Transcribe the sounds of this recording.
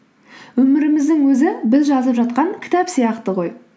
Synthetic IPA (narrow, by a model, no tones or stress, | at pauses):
wɵmɪɾɪmɪzd̪ɪŋwɵzɪbɪzʒɑzəpʒɑt̪̚qɑŋkʲʰɪ̥t̪æpsijɑqt̪əʁo̞j